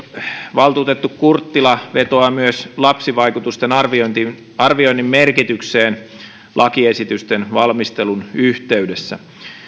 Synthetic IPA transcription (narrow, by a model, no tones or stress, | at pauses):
ʋɑlt̪uːt̪et̪ːukkurt̪ːilɑʋet̪oɑmyøslɑpsiʋɑikut̪ust̪enɑrʋiont̪i | ɑrʋioinːimmerkit̪ykseːn | lʔɑkiesit̪yst̪enʋɑlmist̪elunyht̪eydesːæ̰